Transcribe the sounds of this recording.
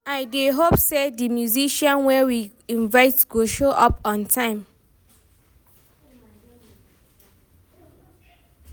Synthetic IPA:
aɪdeɦopsedimjuziʃɔ̃nwɛwi | ĩnvaɪtɡoʃoʔɔpɔ̃ntʰãɪ̃m

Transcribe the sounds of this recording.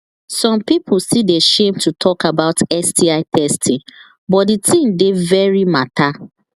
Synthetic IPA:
sɔ̃mpip̩ʰsideʃẽmtʰutʰɔkabaʊtɛsdiaɪtʰɛstʰĩŋ | bɔtditʰĩmdevɛɹimatʰa

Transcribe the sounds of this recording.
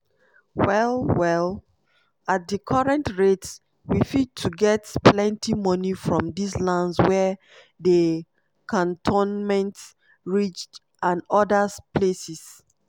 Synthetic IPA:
wɛlwɛl | at̚dəkʰɔɹɛ̃ntɹets | wifid̚tʰuɡɛtplɛ̃ntimɔnifɹɔ̃mdislãndswɛ | də | kʰɔ̃ntʰõnmɛ̃nt | ɹit͡ʃt | ãnɔdəspʰlesis

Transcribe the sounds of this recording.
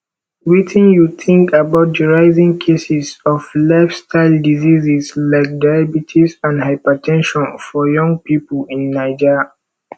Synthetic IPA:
witʰĩnjuθʰĩŋkabaʊt̚d͡ʒəɹaɪzĩŋkʰesisɔflaɪfstʰaɪldizizislaɪk̚dabitʰisãndhaɪpətʰɛ̃nʃɔ̃nfɔjɔ̃ŋɡpipəlĩnːaɪd͡ʒi

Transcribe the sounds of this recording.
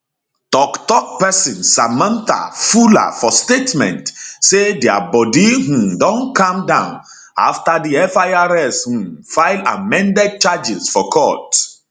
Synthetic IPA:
tɔktɔk̚pɛsĩnsamãnt̪a̰fula̰fɔstetmɛ̰̃ntsedeabɔdiɦũmdɔ̃nkãmdãʊ̃n | a̰ftadiɛfaaɾɛshũmfaɪla̰mɛ̃ndɛd̚t͡ʃad͡ʒizfɔkʰɔt

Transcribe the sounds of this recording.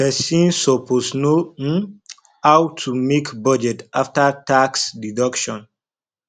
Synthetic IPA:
pɛsĩnsɔpʰosno | awtʰːumekbɔd͡ʒɛtaftataksdidɔkʃɔ̃n

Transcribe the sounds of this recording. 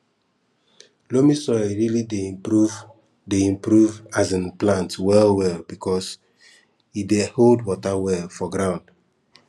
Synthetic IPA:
lomisɔɪɹilideuv | deĩmpɹuvazãnplãntwɛlwɛlbikʰɔs | ideholdwɔtawɛlfɔɡɹãʊ̃nd̥

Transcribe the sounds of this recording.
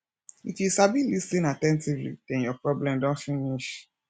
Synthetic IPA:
itisabilistĩnatɛ̃ntivlḭd̥ɛ̃njɔpɹɔblɛ̃mdɔ̃nfĩniʃ

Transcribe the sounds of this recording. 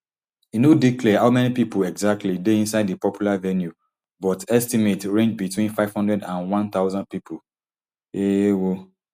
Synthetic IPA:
inodiklɛhaʊmɛnipipolɛɡzak̚tʰlideĩnsaɪdipɔpʰjulavɛnju | bɔtɛstimetɹẽnd͡ʒbitwĩnfaɪv̥hɔ̃ndɹɛdãnwɔ̃nt̪aʊzɔ̃nd̚pipʰo | ewo

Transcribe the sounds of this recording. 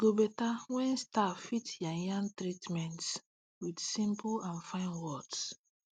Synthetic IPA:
ɡ̥obɛtawɛ̃nstafitjajãŋtɹitmɛ̃nts | widsĩmpulãnfãɪ̃nwɔds

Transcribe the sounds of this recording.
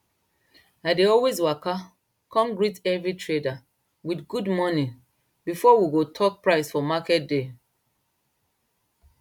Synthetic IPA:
aɪdeɔlwezwaka | kʰɔ̃mɡɹitɛvɹitɹeda | witɡudmɔnĩ | bifɔwiɡotʰɔk̚pɹaɪsfɔmakɛt̚de

